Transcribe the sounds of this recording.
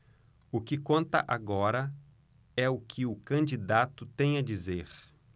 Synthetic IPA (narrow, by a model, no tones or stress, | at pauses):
ʊkɪkõnt̪ɐ̰ʔaɡɔɾɐ | ɛʊkʰɪʊkɐ̃nd͡ʒid̪at̪ʊt̪ẽj̃ɐd͡ʒizeɾ